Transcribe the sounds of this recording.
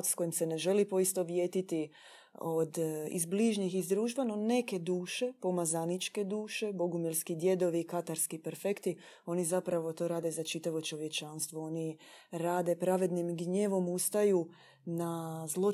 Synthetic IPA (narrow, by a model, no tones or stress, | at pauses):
t̪sko̞jimse̞ne̞ʒe̞lipo̞ist̪oʋje̞ːt̪it̪i | o̞d̪ḭzbliʒɲixizd̪ɾuːʒʋanone̞ke̞d̪uːʃe̞po̞mazanit͡ʃke̞d̪uːʃe̞bo̞ɡumjelskid̪je̞d̪o̞ʋikat̪aɾskipeɾfe̞kt̪i | o̞nizapɾaʋo̞t̪o̞ɾaːd̪ezat͡ʃit̪aʋo̞t͡ʃo̞ʋje̞t͡ʃanst̪ʋo̞o̞ni | ɾaːd̪e̞pɾaʋe̞d̪nimɡɲeːʋo̞must̪ajuː | nazlˠo̞